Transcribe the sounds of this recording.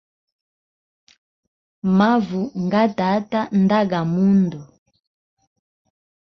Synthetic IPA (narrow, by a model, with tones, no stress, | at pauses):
ma˦vu˨ŋɡa˦ta˨˦ta˦nda˦ɡa˨mu˦ndɔ˨